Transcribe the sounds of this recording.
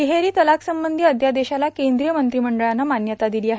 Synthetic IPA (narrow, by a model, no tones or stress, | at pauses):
iɦeɾiːt̪əlaksəmbənd̪ʱiːəd̪ʱjad̪eɕalakend̪ɾijəmənt̪ɾiːməɳɖəɭanːamanjət̪ad̪iliːaɦ